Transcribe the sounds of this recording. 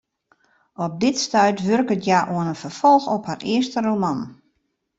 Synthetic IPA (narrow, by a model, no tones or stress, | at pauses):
ɔp̚dɪtstœɥtʋørkətjaʔuənənfərfɔlˠxɔpharɪəstəromɑn